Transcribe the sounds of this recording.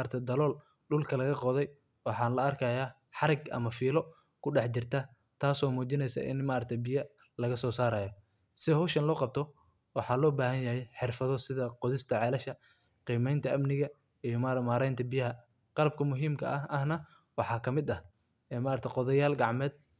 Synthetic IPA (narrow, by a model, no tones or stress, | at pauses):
ɾt̪ʰɛjd̪ɐlɔːl | ɖʊlkʰɐlɐɣɐqɔðɛj | wɑħɑːnlɐɐrkʰɐːjaː | ħɑɾɪɡʔɐ̰mɐfiːlɔ | kʰʊɖɛħt͡ʃɪrt̪ʰɐ | t̪ʰaːsɔːmuːt͡ʃɪnɛjsɐ̰ʔɪ̰nmaːɾɐɾt̪ʰɛjbɪjɐ | lɐɣɐsɔːsaːɾaːjɔ | sɪhɔːʃɐnlɔːqɑb̚t̪ʰɔ | wɑħɑːlɔːbaːɦɐnjɐɦɛjħɪrfɐðɔsɪðɐqɔðɪst̪ʰɐʕɛːlɐʃɐ | qiːmɛjnt̪ʰɐʔɐmnɪɣɐ | ijɔmaɾmaːɾɛjnt̪ʰɐbɪjɐɦɐ | qɑlɐb̚kʰɐmʊɦiːmkʰɐʔɐɦɐhnɐ | wɑħɑːkʰɐmɪd̪ɐh | ɛːmaːɾɐɾt̪ʰɛjqɔðɐjaːlɡɑʕmɛːd̪̥̚